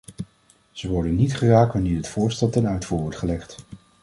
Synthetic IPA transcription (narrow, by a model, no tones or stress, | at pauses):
z̥əʋɔɹdənːitχəraːk̚ʋanɪːɹɦətfʊːɹstɛlˠtɛnœɥtfuːɹʋɔɹtχəlɛχt